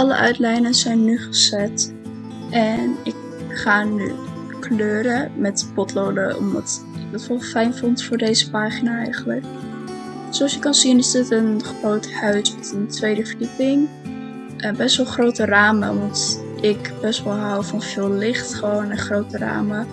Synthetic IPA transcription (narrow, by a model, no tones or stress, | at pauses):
ɑlə̰ʔœ̰ɥtlɛjnənzɛjnːyχəzɛt | ʔɛnɪk | χaːny̰ | kløːɾəmɛtpɔtlowdə̰ɔ̰mdɑt | ɪk̚dətʋɔlˠfɛjnvɔntfʊːɹdejzəpaːχinaːɛ̰jχənlək | solˠsjəkɑnzinɪzdɪtənχrowthœɥsʋɔtəntʋejdəvədipɪŋ | ʔəbɛstʋɔlˠχrowtəraːmə̰ʋɑnt | ɪkbɛstʋɔlˠɦawvɑnv̥ɪːlˠlɪχtχəʋownəχrowtəra̰ːmə